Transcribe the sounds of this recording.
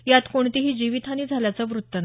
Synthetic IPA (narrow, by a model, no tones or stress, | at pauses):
jat̪koɳt̪iɦiːd͡ʑiʋit̪ʰaniːd͡zʱaljat͡səʋɾut̪ːən